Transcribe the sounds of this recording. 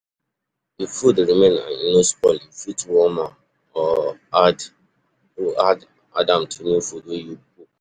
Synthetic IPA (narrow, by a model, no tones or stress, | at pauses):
difudɾimẽnã̰nnospɔlĩfitwɔma | ɔad | uʔad | adãmtʰunufudweju | u